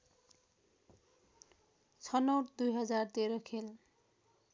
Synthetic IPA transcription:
t͡sʰʌnʌwʈd̪ujɦʌd͡zart̪eɾʌkʰel

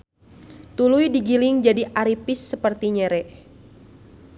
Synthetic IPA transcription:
t̪ulujdiɡilɪŋd͡ʒadiʔaɾipɪsːəpərt̪iɲɛɾɛ

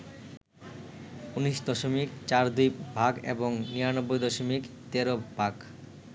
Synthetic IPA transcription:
uniʃd̪ɔʃomikt͡ɕaɾd̪ujbʱaɡḛboŋniɾanobːojd̪ɔʃomikt̪eɾobak

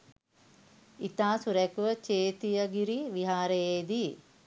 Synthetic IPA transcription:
it̪aːsuɾɛkuʋət͡ʃeːt̪ijəɡiɾiʋiɦaːɾejeːd̪i

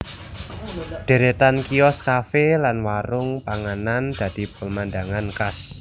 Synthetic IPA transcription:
ɖ̪̥e̤ɾet̪ankiɔskafelanwaɾʊŋpaŋanand̪̥ä̤d̪̥i̤pəmand̪aŋankas

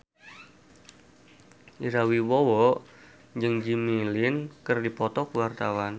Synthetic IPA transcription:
ʔiɾawiwɔwɔ | d͡ʒɨŋd͡ʒimilɪnkɨrdipɔt̪ɔkəwart̪awan

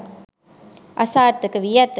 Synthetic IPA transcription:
ʔɐsaːɾt̪ːɯkːɯʋɪjɐt̪ː

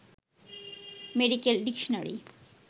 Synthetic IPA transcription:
meɖikelɖikʃonaɾḭ

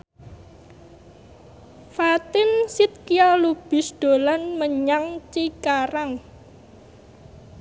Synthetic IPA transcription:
fat̪ɪnsɪt̪̚kijalub̥ɪ̤sd̪̥o̤lanməɲaŋt͡ʃikaɾaŋ

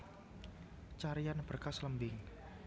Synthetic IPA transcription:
t͡ʃaɾijanb̥ərkasləmbɪŋ

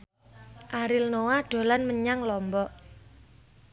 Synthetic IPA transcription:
ʔaɾɪlnowaɖ̥o̤lanməɲaŋlɔmbɔʔ

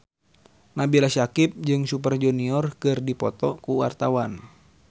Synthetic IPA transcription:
nabilaʃakip̚d͡ʒɨŋsup̬ərd͡ʒɔniɔrkɨrdipɔt̪ɔkuwa̰rt̪awan

